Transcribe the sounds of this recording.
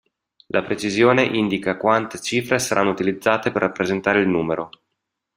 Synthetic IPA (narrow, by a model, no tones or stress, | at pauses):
lʔapɾet͡ʃizjoːneʔind̪ikakwant̪et͡ʃiːfɾesaɾʔa̰nːout̪ilid̪zːaːt̪eperːapːɾezent̪aːɾeilnuːmeɾo